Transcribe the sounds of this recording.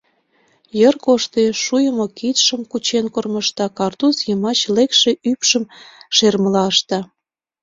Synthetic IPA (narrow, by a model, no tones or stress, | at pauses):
jərkoʃt̪eʃujəmokit̪ʃəmkut͡ɕenkorməʃt̪ɑkɑrt̪usjəmɑt͡ɕlekʃe̽ʔypʃəmʃerməlɑəʃt̪ɑ